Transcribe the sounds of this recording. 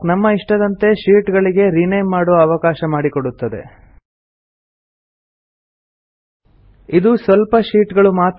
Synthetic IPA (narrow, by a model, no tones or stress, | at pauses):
nɐmːɐiʂʈɐd̪ɐnt̪e̞ʃiːʈɡɐɭiɡe̞ɾinejmːaːɽɔːɐɐʋɐkaːʃɐmaːɽikoɽut̪ːɐd̪e̞̰ | id̪usʋɐlpɐʃiːʈɡɐɭumaːt̪